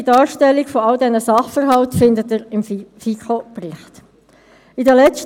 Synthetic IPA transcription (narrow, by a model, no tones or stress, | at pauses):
dɑːɾʃtɛlːikfoɑldɛnəsɑχfəɾɦɑltfɪndətəɾɪmfikʰopriχt | idəlɛt͡st